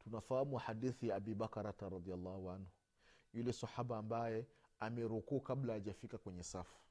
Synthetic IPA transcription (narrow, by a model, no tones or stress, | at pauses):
tunafahamuħadiθijaabibakaɾataɾɑd̪ialːaːhuanhu | julɛsaħabaːmbajɛamɛɾukukablaaʄafikakwɛɲɛsafu̥